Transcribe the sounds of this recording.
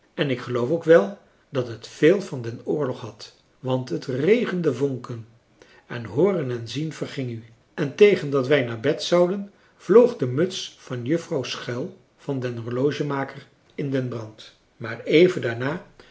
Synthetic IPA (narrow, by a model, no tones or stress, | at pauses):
ɛnɪkχəlowfowkʋɛlˠ | dɑtɦətfeːlˠvɑndɛnʊːɹlɔχɦɑt | ʋɑntɦətrejχəndəvoŋkən | ɛnɦʊːrənɛnzinv̥ərχɪŋy | ʔɛntejχəndɑtʋɛjnaːɹbɛtsɑwdən | v̥lowχdəmɵtsfɑnjɵfrɑwsχɛlˠ | v̥ɑndɛnɦoɹlowʒəmaːkər | ɪndɛnbrɑnt | maːrejvəndaːɹnaː